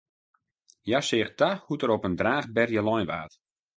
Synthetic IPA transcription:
jasɪːxtahutəɾopəndraːχbɛrjəlɔjnʋaːt

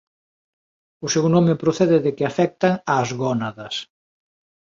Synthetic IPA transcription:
ʊsewnõmɪpɾoθɛðɪðɪkɪafɛk̚t̪aŋaːzɣɔnaðɐs

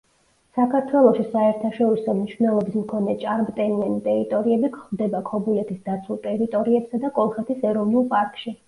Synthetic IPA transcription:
sakʰaɾt̪ʰwɛlˠɔʃisaɛɾt̪ʰaʃɔɾisɔmniʃvnɛlˠɔbismkʰɔnɛt͡ʃʼaɾmt̪ʼɛnianit̪ʼɛɾit̪ʼɔɾiɛbikχvd̪ɛbakʰɔbulɛt̪ʰisd̪at̪sʰulˠt̪ʼɛɾit̪ʼɔɾiɛpsad̪akʼɔlˠχɛt̪ʰisɛɾɔvnulˠpʼaɾkʼʃi

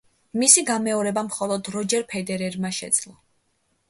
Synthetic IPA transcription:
misiɡamɛɔɾɛbamχɔlˠɔd̪ɾɔd͡ʒɛɾpʰɛd̪ɛɾɛɾmaʃɛ̰d̪z̥lˠɔ

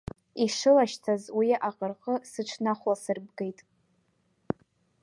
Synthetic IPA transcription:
iʂɨlaʃt͡sʰazwiaqʼərqʼəsɨʈ͡ʂʷʰnaχʷasɨrb̚ɡe̞jtʼ

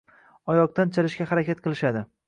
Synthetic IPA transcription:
ɒjɒq̚t̪ant͡ʃʰalɪʃkʲahaɾakʲat̪̚qʰɨlˠɪʃad̪ɪ

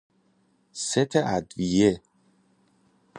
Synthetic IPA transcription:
set̪ʰeʔæd̪vije

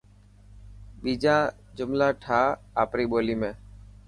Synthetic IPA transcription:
ɓiːd͡ʒãː | d͡ʒʊmlaːʈʰaː | aːpɾiːɓoːliːmẽː

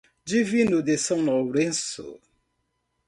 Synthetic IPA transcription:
d͡ʒivinod̪esãŋnɔɾẽnso̰

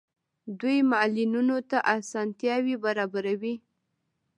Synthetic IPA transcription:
d̪ujmalinunot̪aʔasɑnt̪jɑwibaɾɑbaɾawi

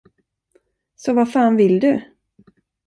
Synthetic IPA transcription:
sɔvafaːnvɪld̪ɵ

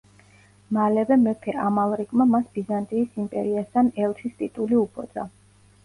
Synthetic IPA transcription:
malɛvɛmɛpʰɛʔamalˠɾiɡʼmamasb̥izant̪ʼiːsimpʼɛ̰ɾiast̪ʰanɛlˠsʰist̪ʼit̪ʼuliupʰʼɔ̰d̪z̥a̰

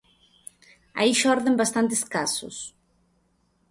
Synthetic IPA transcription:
a̰iʃɔɾðembast̪ant̪eskasʊ̰s

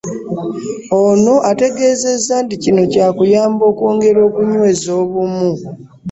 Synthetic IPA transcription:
ono̞ʔate̞ɡe̞ːze̞zːanticino̞caːkujaːmbo̞ːkoːŋɡe̞ɾo̞ːkuɲwe̞zo̞ːβumu

